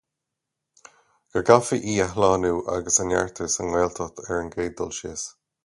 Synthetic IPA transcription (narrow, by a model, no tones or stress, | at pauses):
ɡ̥əɡafiʔiːaɦlɑːnuːʔa̰ɡəsanjaɹt̪ʰəɹsənwɛːlt̪ʰɔt̪ʰɛɹənɡeːd̪ɔlʃeːs